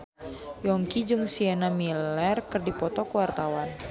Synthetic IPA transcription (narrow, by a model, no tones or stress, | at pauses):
jɔŋkid͡ʒuŋsiɛnamilɛrkɨrdipɔt̪ɔkuwart̪awan